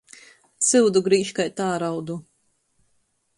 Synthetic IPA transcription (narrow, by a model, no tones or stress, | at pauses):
sɨwd̪uɡɾiːʃkajt̪aːɾawd̪u